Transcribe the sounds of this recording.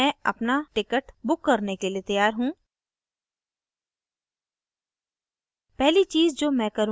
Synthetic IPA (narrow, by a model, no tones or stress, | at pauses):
ɛ̃ːɐ̰pnaʈɪkəʈbʊkːɐɾnekeliet̪ɐjaːɾɦũː | pɛɦlit͡ʃiːzd͡ʒoːmɛ̃ːkɐɾũ